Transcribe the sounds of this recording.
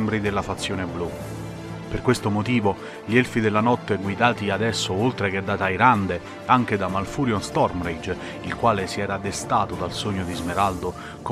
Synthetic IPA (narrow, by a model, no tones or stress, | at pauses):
mbɾid̪elːafat̪sːjɔːneblu | perkwest̪omot̪iːvo | ʎɛlfid̪elːanɔt̪ːeɡwid̪aːt̪iad̪ɛsːoolt̪ɾekɛd̪ːat̪ajɾand̪e | aŋk̟ed̪amalfuːɾjɔnst̪ɔrmɾed͡ʒ | ilkwaːlesiɛːɾad̪est̪aːt̪od̪alsoɲːod̪izmeɾald̪o | k